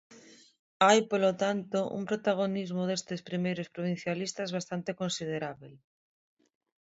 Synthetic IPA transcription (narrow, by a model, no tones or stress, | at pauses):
ajpolot̪ant̪oʔṵmpɾot̪aɣ̞onizmoðest̪espɾimejɾospɾoβ̞in̟θjalist̪azβ̞ast̪ant̪ekonsið̞eɾaβel